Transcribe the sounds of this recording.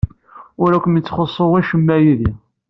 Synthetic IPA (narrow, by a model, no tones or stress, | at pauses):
ʊɾækʷːənjət͡sːχəsˤːowæʃəmːæjiði